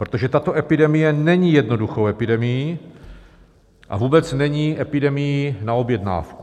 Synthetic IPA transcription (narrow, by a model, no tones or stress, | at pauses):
pɾot̪o̞ʒɛt̪at̪o̞ʔɛpɪdɛmɪjɛnɛɲiːjɛdno̞duxo̞wʔɛpɪdɛmɪji | ʔa̰vuːbɛt͡snɛɲiːʔɛpɪdɛmɪjinao̞bjɛdna̰ːfku̥